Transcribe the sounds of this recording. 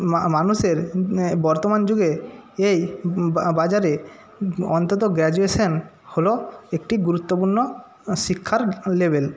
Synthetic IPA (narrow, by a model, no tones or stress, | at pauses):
manuʃeɾbɔɾt̪omand͡ʒuɡeej | bad͡ʒaɾe | ɔnt̪ɔt̪̬oɡɾɛd͡ʒuesɔn | holoek̚ʈiɡuɾut̪ːopuɾnːo | sikʰːaɾlebʱel